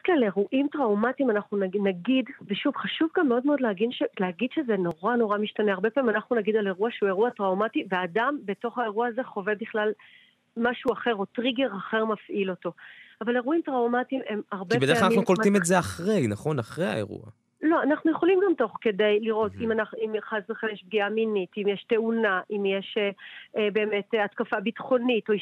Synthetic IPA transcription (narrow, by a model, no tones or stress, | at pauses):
klaleʁuʔimtʁawmatimanaχnunanaɡidveʃuvχaʃuvɡamːeo̞dmeo̞dleaɡinʃeleaɡid̪ʃezeno̞ʁano̞ʁamiʃtaneaʁbe̞pamimanaχnunaɡidale̞ʁuaʃeue̞ʁuatʁawmativeaːdambe̞to̞χhae̞ʁuaːze̞χo̞ve̞biχlal | maʃuaχe̞ʁo̞tʁiɡe̞ʁaχe̞ʁmafʔilo̞to̞avale̞ʁuimtʁawmatime̞maʁbebedaanmianukolimezeaχʁejnaχo̞naχʁeja̰ḛʁṵa̰ | lo̞anaχnujeχo̞limɡamto̞χke̞de̞jliʁo̞timanaχimχazleχemjeʃb̚ɡiaminitimjeʃte̞unaʔimjeʃeebe̞ːme̞teatkafabitχo̞nito̞